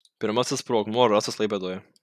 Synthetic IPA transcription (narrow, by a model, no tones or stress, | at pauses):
pʲɪɾmɐsʲɪspɾoːɡmoːɾɑsoslˠɐɪpʲɛd̪oːjɛ